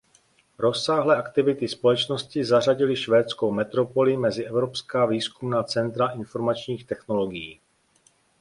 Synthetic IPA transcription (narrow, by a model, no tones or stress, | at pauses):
ɾo̞sːaːɦlɛːʔakt̪ɪvɪt̪ɪspo̞lɛt͡ʃno̞scɪzar̝aɟɪlɪʃvɛːt͡sko̞wmɛt̪ɾo̞po̞lɪmɛzɪʔɛvɾo̞pskaːviːskumnaːt͡sɛnt̪ɾaʔɪnfo̞ɾmat͡ʃɲiːxt̪ɛxno̞lo̞ɡɪjiː